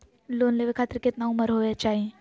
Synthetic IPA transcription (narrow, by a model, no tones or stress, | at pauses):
lonleʋekʰat̪ɾiket̪naũməɾɦojat͡ɕaɦĩ